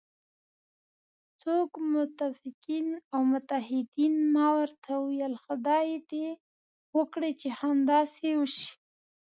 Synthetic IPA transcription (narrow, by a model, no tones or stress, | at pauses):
t͡sokmʊt̪afɪqinawmʊt̪aɦɪd̪inmɑwaɾt̪ʰawijalxad̪ɑjed̪e | wəkɽet͡ʃehand̪ɑsewəʃi̥